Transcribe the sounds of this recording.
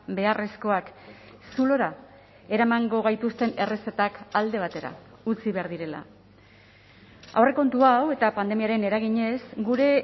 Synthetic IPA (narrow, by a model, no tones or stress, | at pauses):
be̞aresko̞ak | sulo̞ɾa | e̞ɾamaŋɡo̞ɣ̞ajt̪ust̪e̞ne̞re̞sat̪akald̪e̞β̞at̪e̞ɾa̰ | ut͡siβe̞aɾðiɾe̞la̰ | a̰wre̞ko̞nt̪uawe̞t̪apand̪e̞miaɾe̞ne̞ɾaɣ̞iɲe̞sɡuɾe̞